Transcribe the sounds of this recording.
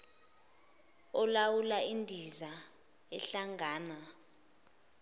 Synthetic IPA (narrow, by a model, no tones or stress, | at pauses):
ɔlawulaindʱiza | ɛɬaŋaːna